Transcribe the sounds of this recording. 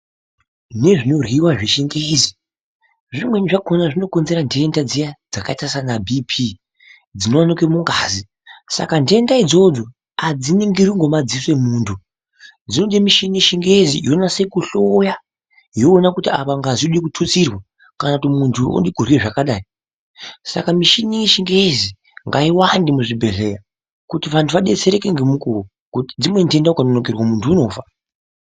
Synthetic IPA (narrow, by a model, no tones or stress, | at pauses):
ne̞ʐino̞rwiwaʐiʃiŋɡeed͡zi | ʐimweɲiʐakonaʐino̞ko̞nze̞ɾandeːndad͡zijad͡zakaitasanabʱipʰi | d͡zino̞wanikwemuŋɡaːzi | sa̰kandeendaid͡zo̞d͡zo | ad͡ziniŋɡiriŋɡo̞mad͡ziswe̞muːntʰu | d͡zinoɗimiʃiniʃiŋɡeezḭjonase̞kuɬoja | joːnakutiapaŋɡaziɗikutʰut͡sirwa | kanautimuntʰuo̰ndikur̤ieʐakaɗaːi | sa̰kamiʃiniiʃiŋɡeezi | ŋɡaiwandimuʐibʱe̞ɮe̞ra | kutiʋantʰuʋaɗe̞t͡se̞ɾe̞keŋɡemukuo | kutid͡zimwe̞nde̞ndaukanonokerwamuntʰuːno̞ːfa